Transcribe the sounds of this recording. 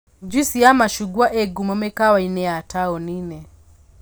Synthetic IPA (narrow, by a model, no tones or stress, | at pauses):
d͡ʒusiamaʃuɡuaʔɛɡumɔmɛkawainɛataɔninɛ